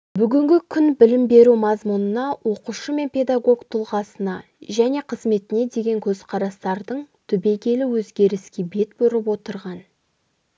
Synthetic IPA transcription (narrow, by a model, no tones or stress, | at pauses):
bʏɡʲɪŋɡʲɪkʲʰʏnbɪlɪmbe̞ɾumɑzmunənɑwo̞quʃəme̞npʰʲe̞d̪aɡo̞ɡt̪ʰʊlˠʁɑsənɑ | ʒæne̞qʰəzme̞t̪ɪne̞d̪e̞ɡʲe̞ŋkʲʰɵzqʰɑɾɑst̪ɑɾd̪əɴt̪ʰʏbe̞ɡʲe̞lɪwɵzɡʲe̞ɾɪskʲe̞be̞t̪bɵɾɪpwo̞t̪əɾʁɑn